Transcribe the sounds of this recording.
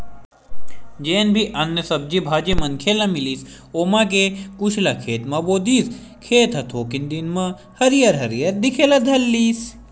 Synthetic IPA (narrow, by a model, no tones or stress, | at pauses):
d͡ʒeːnbʱiʔɐnːjəsɐb̚d͡ʒibʱaːd͡ʒemɐnkʰeːlamiliːs | oːmãk̬ekuʃʰlakʰeːt̪mãboːd̪iːs | kʰeːt̪ʰɐt̪ʰoːkind̪inmã | hɐɾijɐɾɦɐɾijɐɾd̪ikʰeːlad̪ʱɐlːiːs